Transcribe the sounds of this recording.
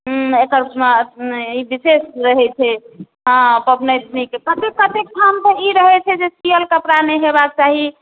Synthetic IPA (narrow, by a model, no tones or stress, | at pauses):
ekəɾ | ibisesɾəɦɛt͡ʃʰɛ | ɦə̃pəbnəd̪nikepət̪ekːət̪ekʈʰamsẽiɾəɦɛt͡ʃʰɛd͡ʒesijəlkəpɾanɛɦebakt͡ʃaɦi